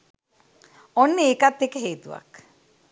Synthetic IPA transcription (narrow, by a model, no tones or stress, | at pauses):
ɔnːeekat̪ːekəɦeːt̪uʋa̰k